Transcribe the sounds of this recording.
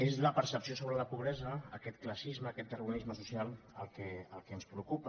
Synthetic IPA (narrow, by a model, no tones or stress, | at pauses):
ezləpəɾsəpsiosoβɾələpuβɾɛzəːkɛt̪klasizməːkɛt̪ːərunizməs̬usjalˠəlˠkɛəlˠkɛənspɾukupə